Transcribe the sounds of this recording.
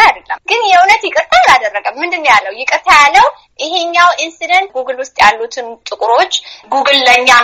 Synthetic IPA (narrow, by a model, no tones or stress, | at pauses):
ajad̪əlːəmɡ̥ɨnjɛunət̪jɪkʼɨɾt̪ʰaalad̪ərːəɡəmːɨnd̪ɨnːəwjalːəwjɪkʼɨɾt̪ʰajalːəw | ʔɪɦe̞ɲːawʔinsid̪ənt̪̚ɡuɡɨlwʊst̪ʼjalːut̪ʰɨnt̪ʼɨkʼɾo̞t͡ʃːɡuɡɨlːəɲːa